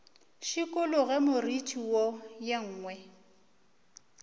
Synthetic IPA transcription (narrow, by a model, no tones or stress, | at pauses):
ʃikʼʊlʊɣɛmʊritʰʼiwɔjaŋ̩ːŋwɛ